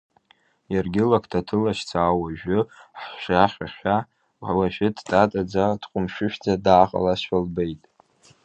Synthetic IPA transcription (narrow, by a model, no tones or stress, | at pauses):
jarɡʲɪlakʰtʰatʰɨlaʃt͡sʰaːwaʒᶣʊħʃaχʲʷaχʷᶣa | ħlaʃᶣɪdtʼatʼad͡zad̥qʷʼʊmʃᶣʊʃᶣd͡zadaːχʼa̰laɕalbejtʼ